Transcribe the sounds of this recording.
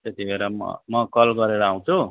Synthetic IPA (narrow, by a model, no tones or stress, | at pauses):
t̪et̪ibʱeɾʌmʌ̰mʌkʌlɡʌɾeɾʌaw̃t͡sʰu